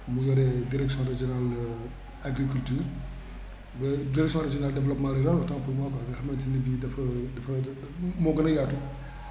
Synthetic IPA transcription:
mujɔɾɛdiɾɛksɔ̃ɾɛd͡ʒɔnal | aɡɾikultyːɾ | bɛdiɾɛksjɔ̃ɾɛd͡ʒɔnaldɛvlɔpmãlɐɾɔnlbɐtɔ̃ŋpumakɔɐɡɐxɐmɐtinibidɐfɐdɐfɐ | mɔɡɐnɐjatu

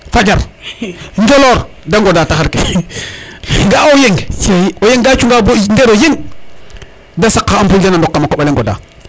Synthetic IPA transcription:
fad͡ʒaɾ | ɲd͡ʒoloɾ | daŋɡodataxaɾke | ŋɡaojeŋsiojeŋɡat͡ʃuŋɡabondeɾojeŋ | dasakːaampild͡ʒanandokːamakoɓaleŋɡoda̰

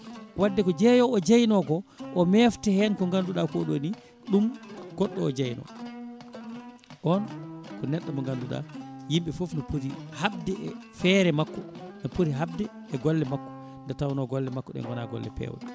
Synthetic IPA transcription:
wʔadːɛkɔd͡ʒɛjɔɔd͡ʒajnɔɡɔʔɔmɛftɛhɛnkɔŋɡanduɗakɔɗoni | ɗumɡ̥ɔɗːɔɔd͡ʒajnɔ̰ | ʔɔnkɔnɛɗːamɔŋɡanduɗa̰jimɓɛfofnɔpoɾihab̚dɛfɛɾɛmakːɔnɔpoɾiɦab̚dɛ | ɛɡɔlːɛmakːɔ̥ | ndɛtawnɔɡɔlːɛmakːɔɗɛ̰ŋɡɔna̰ɡɔ̰lːɛ̰pɛ̰w̰ɗɛ

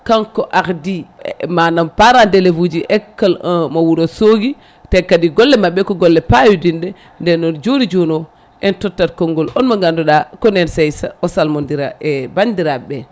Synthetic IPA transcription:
kaŋkɔʔakdimanampaɾandɛlevud͡ʒiʔɛkːalmawuɾosoɡi | tɛkːadiɡɔlːɛmaɓːɛkɔɡɔlːɛpajudindɛ | ndɛnɔnd͡ʒoɾid͡ʒɔnɔ | ɛntɔtːatkɔŋɡɔlɔnmaɡandɔɗakɔnɛnsɛjsaɔsalmɔndiɾaʔɛbandiɾaɓɛ

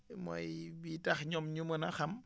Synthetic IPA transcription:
mɔ̰jbitɐxɲɔmɲumənɐxɐm

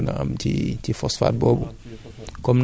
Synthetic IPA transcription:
na̰a̰mtitifɔsfa̰t̚bɔbɔ | kɔmn

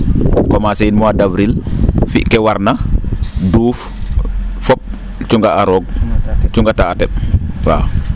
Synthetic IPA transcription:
kɔmaseinmɔadavɾilfḭʔkɛwaɾna | duːf | fɔp̚ | t͡ʃuŋɡaaɾɔɡ̚t͡ʃuŋɡataːtɛɓ̚wa̰

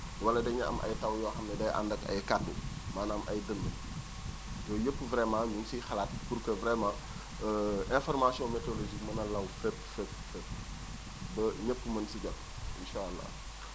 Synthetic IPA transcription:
wɐlːɐdɛɲɐɐ̰mʔɐ̰jtɐwjɔːxɐmːɛdɐjʔa̰ndɐkɐ̰jkadṵmaːnɐmʔɐ̰jdənːə | jɔːjəpːvɾɛmãːɲumsixɐlat̚purkəvɾɛmãː | ʔɛ̃nfɔrmasijɔ̃mɛtoloʒikmɐnɐlɐwfɛpfɛpːfɛp̚ | bɐɲəpːumɐnsiɟɐk | ḭnʃaːɐlːa̰

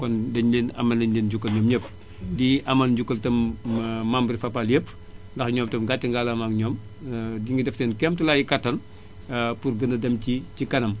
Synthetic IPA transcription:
kɔndɐɲleːnɐ̰mɐnɐndeːnɟukːɐlɲɔmɲəp | diʔɐmɐnɟukːɐltɐmmambəɾifɐpːaljəpː | ndɐxɲɔːmtɐmɡatːɐŋɡaːlɐmaŋɲɔːm | diŋɡɐdɛftɛːnkɛmtulaːjikɐtːɐn | purɡənɐdɐmcicikɐnɐm

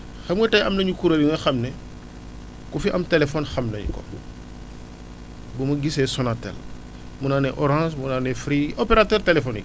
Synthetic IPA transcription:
xɐmwetɐjɐmnɐɲukuɾeliŋexɐmne | kufiʔɐmtelefonxɐmnɐ̰ɲ̰ko̰ | bumɐɡisesonatḛl | munaneʔoɾãsmunanefɾiʔopeɾatøːɾtelefonḭk̚

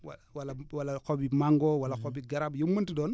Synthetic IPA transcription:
wawalawalːakobimaŋɡowalːakobiɡaɾabjumːuntidon

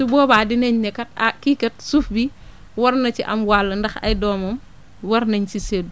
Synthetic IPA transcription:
subɔːbadineɲɲɛkɐt̚akikɐt̚sufbi | wɐɾnɐt͡ʃiʔɐ̰mwalːɐndɐxɐ̰jdɔːmɐm | wɐɾnɐɲt͡ʃiseːdu

